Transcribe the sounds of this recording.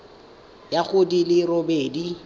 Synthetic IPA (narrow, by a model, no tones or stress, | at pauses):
jaχʊdilɪrobeːdi